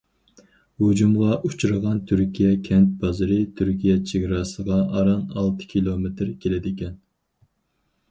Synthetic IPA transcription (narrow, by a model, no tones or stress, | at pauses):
hud͡ʒumʁɑʔut͡ʃʰuɾəʁɑnt̪ʰyɾkʲʰijɛkʲʰɛnt̪̚bɑzɨɾɨt̪ʰyɾkʲijɛt͡ʃʰeɡʲɾɑsəʁɑʔɑɾɑnɑlˠt̪ʰɨ̥kʲʰilˠomet̪ɾkʲʰelɪd̪ɪkʲɛn